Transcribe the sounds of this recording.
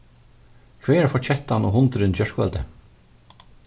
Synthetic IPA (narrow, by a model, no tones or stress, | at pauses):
kʰveːɛɾfɔɹt͡ɕɛt̪ːanɔɦʊnt̪ɾɪnt͡ɕœɹkʋœ̰lt̪ə